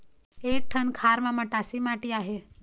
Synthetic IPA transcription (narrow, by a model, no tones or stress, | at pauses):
ek̚ʈʰənkʰaɾmãməʈasimaʈiːaɦe